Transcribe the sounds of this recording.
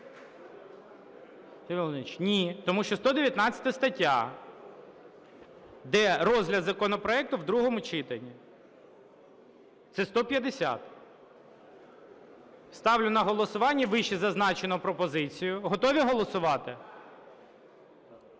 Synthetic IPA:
lˠnit͡ʃnʲit̪ɔmuʃt͡ʃɔst̪ɔd̪eʋʲjɐt̪nɑt͡sʲɐ̥t̪ɐst̪ɐtʲːa̰ | d̪ɛɾɔzlʲɐd̪zɐkɔnɔpɾɔɛk̚t̪ʊwd̪ɾuɦɔmʊt͡ʃɪt̪ɐnʲi | t̪sɛst̪ɔpʲjɐd̪esʲa̰t̪ | st̪ɑwlʲʊnɐɦɔlˠɔsʊʋɑnʲːɐʋɪʃizɐznɑt͡ʃenɔpɾɔpɔzɪt͡sʲijʊɦɔt̪ɔʋʲiɦɔlˠɔsʊʋɑt̪ɪ

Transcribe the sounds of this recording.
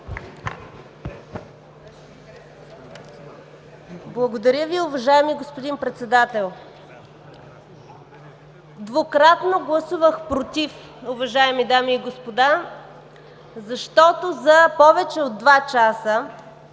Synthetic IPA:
blˠɐɡod̪ɐɾʲəviʊvɐʒaɛmiɡospod̪inpɾɛt̪sɛd̪at̪ɛlˠ | d̪vokɾat̪noɡlˠɐsuvəxpɾot̪ʲif | ʊvɐʒaɛmid̪amiːɡospod̪a | zɐʃt̪ɔt̪ozɐpɔvɛt͡ʃɛod̪̚ːvat͡ʃasə

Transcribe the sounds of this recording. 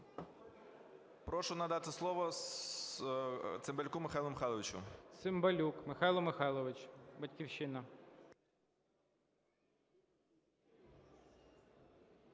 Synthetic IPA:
pɾɔʃʊnɐd̪ɑt̪ɪslˠɔʋɔs | t̪sɪmbelʲkumɪxajlˠʊmɪxɑjlˠɔʋʲɪt͡ʃʊ̰t̪sɪmbɐlʲukmɪxɑjlˠɔmɪxɑjlˠɔʋɪt͡ʃbɐtʲkʲiwʃɪnɐ

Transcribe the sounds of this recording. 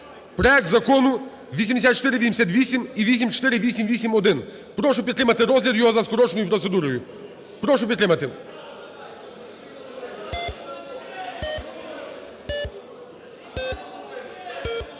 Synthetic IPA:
pɾɔjɛk̚t̪zɐkɔnʊ | ʋʲisʲimd̪esʲat̪t͡ʃt̪ɪɾɪʋʲisʲemesʲat̪ʲʋʲisʲimiʋʲisʲimt͡ʃt̪ɪɾɪʋʲisʲimʋʲisʲimɔd̪ɪn | pɾɔʃʊpʲit̪t̪ɾɪmɐt̪ɪɾɔzʲlʲiɾjɔɦɔzɐskɔɾɔt͡ʃnɔjʊpɾɔt̪sɛd̪uɾɔjʊ | pɾɔʃʊpʲit̪t̪ɾɪmɐt̪ɪ

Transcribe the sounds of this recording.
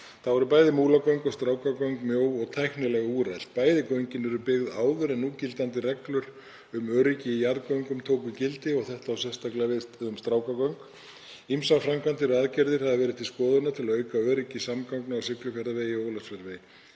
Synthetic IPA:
θavɔɾʏpaːjðɪmuːlakoɥŋkɔst̪ɾaːwkakœɥŋkmjoːwɔɣt̪ʰɛknʏlɛɣauːɾɛjl̥t̪̚paːjðɪkoɥɲcɪnɛɾʏpɪɣðaːwðʏɾɛnːuːcɪlt̪ant̪ɪrɛklʏɾ | ʏmœːɾicɪijaɾðkoɥŋkʏmt̪ʰoːwkʏcɪlt̪ɪɔɣθɛht̪awsɛ̥st̪aklaɣvɪðʏmst̪ɾaːwkakɔɥŋk | imsafɾamkant̪ɪɾɔɣaðcɛɾðɪɾ̥haðavɛːɾɪθt̪ʰɪlskɔːðʏnat̪ʰɪlaœːɥkaœːɾicɪsamkawŋknaawsɪklʏkʰɛɾðaveːjɪoːlasvɛɾvɪ

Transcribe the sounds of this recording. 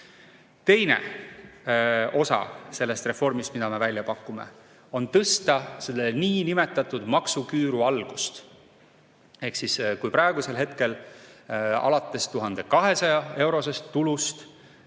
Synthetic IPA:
t̪e̞jne̞̰ | o̞sɑ̰se̞lːe̞st̪re̞fo̞rmist̪mid̪ɑme̞vælʲːjɑpɑkːˑume̞̰ | o̞nt̪ɤst̪ɑse̞lːeniːnime̞t̪ːˑɑt̪ːˑud̪mɑksukyːɾuɑlɡ̥ust̪ | e̞hksiskujpɾɑeɡ̥use̞lɦe̞t̪ke̞l | ɑ̰lɑt̪ˑːe̞st̪uɦɑnd̪̥e̞kɑɦe̞sɑjɑe̞wɾo̞se̞st̪ːulust̪

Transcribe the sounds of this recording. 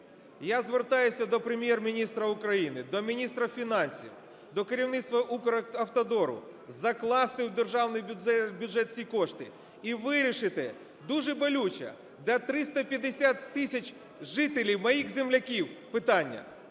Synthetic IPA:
jazʋert̪ɑjʊsʲɐd̪ɔpɾemʲjɛrmʲinʲist̪ɾɐʊkɾɐjinɪd̪ɔmʲinʲist̪ɾɐfʲinɑnʲsʲḭw | d̪ɔkeɾʲiwnɪt̪st̪ʋɐʔukɾɐɐwt̪ɐd̪ɔɾʊ̰ | zɐklˠɑst̪ɪwd̪erʒɑwnɪjʲɛbʲjʊʐɛt̪̚t͡sʲikɔʂt̪ɪ | iʋɪɾʲiʃɪt̪ɪ | d̪uʐɛbɔlʲut͡ʃɐ̰ | d̪ɐt̪ɾɪst̪ɐpʲjɐd̪ɪsʲat̪ːɪsʲɐt͡ʃ | ʒɪt̪elʲiwmɐjixzʲemlʲɐkʲiwpɪt̪anʲːɐ̰

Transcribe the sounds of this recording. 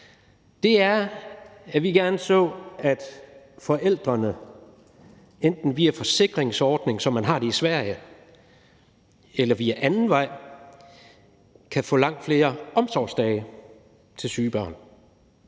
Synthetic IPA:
d̥e̝æɐ | æʋiɡ̥æɐnəsɔ̰̽ːæd̥ | fɒ̽ʔel̰d̥ʁɐnə | end̥n̩ʋiæfɒ̽se̝ɡ̥ʁeŋsɒːd̥ne̝ŋsɒ̽mːænɦɑ̈ːd̥e̝isʋæɐ̰jə | elɐʋiæʔænn̩ʋɑ̈ɪ̰ | kʰæfɔ̰̽ːlɑ̈ŋ̰d̥fle̝ːɐɒ̽msɒ̰̥ːsd̥ɛːɪ | t͡sʰe̝lsyːb̥ɶɐ̰n

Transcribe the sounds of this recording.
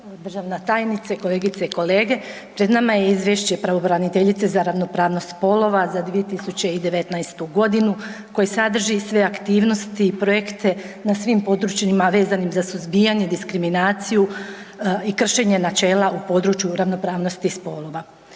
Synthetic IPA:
d̪r̩ʒaʋnat̪aːjnit̪sako̞le̞ːɡit̪seiko̞le̞ːɡe̞ | pɾed̪namaje̞izʋjeʃt͡ɕe̞pɾaʋo̞bɾanit̪e̞ʎit̪se̞zaɾaʋno̞pɾaːʋnost̪spo̞lo̞ʋazad̪ʋije̞t̪isut͡ɕe̞id̪e̞ʋet̪najst̪uɡo̞d̪inuko̞jesad̪r̩ʒisʋe̞akt̪iːʋno̞st̪iːpɾo̞jekt̪e̞ | nasʋimpo̞d̪ɾut͡ɕnimaʋe̞ːzanimzasuzbiːjaɲed̪iskɾiminaːt̪siju | ikr̩ʃe̞ɲe̞nat͡ʃe̞ːlaʔupo̞d̪ɾut͡ʃjuɾaʋno̞pɾaːʋno̞st̪ispo̞lˠo̞ʋa

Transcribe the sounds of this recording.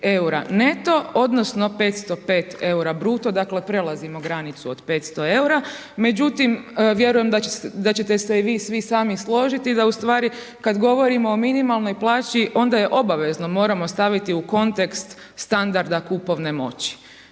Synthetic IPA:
euɾa̰ne̞t̪o̞od̪nosno̞pe̞ːt̪st̪o̞pe̞ːt̪e̞uɾabɾuːt̪o̞d̪akle̞pɾe̞lˠazimoɡɾanit̪suod̪pe̞ːt̪st̪o̞e̞uɾa | me̞d͡ʑut̪imʋje̞ɾujemd̪ad̪at͡ɕe̞t̪e̞seiʋiːsʋisaːmislˠo̞ːʒit̪id̪aust̪ʋaːɾi | kad̪ɡo̞ʋo̞ɾimo̞ːminimalˠno̞jplˠaːt͡ɕiʔo̞nd̪aje̞ʔo̞baʋe̞zno̞mo̞ːɾamo̞st̪aʋit̪iuko̞nt̪e̞kst̪ | st̪and̪aɾd̪akupo̞ʋne̞mo̞̰t͡ɕi̥

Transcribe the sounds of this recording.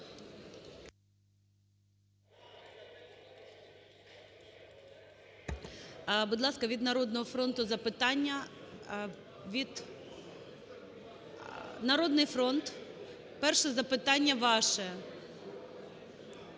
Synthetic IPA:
bud̪lˠɑskɐʋʲid̪nɐɾɔd̪nɔɦɔfɾɔnt̪ʊzɐpɪt̪ɑnʲːɐ | ʋʲid̪ | nɐɾɔd̪nɪjfɾɔnt̪ | pɛrʃɛzɐpɪt̪ɑnʲːɐʋɑʃɛ

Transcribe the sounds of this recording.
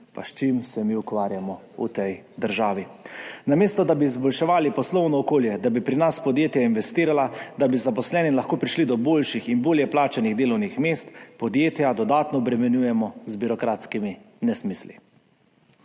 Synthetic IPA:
pa̰ʃt͡ʃimsɛmiukʋaːɾjamɔ | ṵt̪ɛj | d̪əɾʒaːʋinameːst̪ɔd̪abiːzbɔlʃɛʋaːlipɔslɔwnɔːkoːljɛd̪abipɾinaspɔd̪jeːt̪jainʋɛst̪iːɾalad̪abizapɔslɛːnimlaxkoːpɾiʃlid̪ɔboːlʃixinboːljɛplaːt͡ʃaniɣd̪eːlɔwnixmest̪pɔd̪jeːt̪jad̪ɔd̪aːt̪nɔːbɾɛmɛnjuːjɛmɔzbiɾɔkɾat̪skimi | nɛsmislḭ

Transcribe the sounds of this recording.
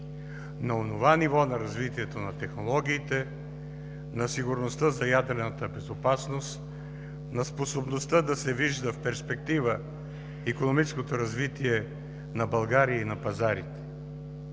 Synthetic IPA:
nɐonovanivɔnɐɾɐzvit̪iɛt̪onɐt̪ɛxnolˠɔɡʲiːt̪ɛ | nɐsiɡʊɾnost̪əzɐjad̪ɾɛnət̪əbɛzopasnost̪ | nɐsposobnost̪əd̪ɐsɛviʒd̪əfpɛɾspɛk̚t̪ivə | ikonomit͡ʃɛskot̪oɾɐzvit̪iɛ | nɐbɐlˠɡaɾiəinɐpɐzaɾit̪ɛ̥

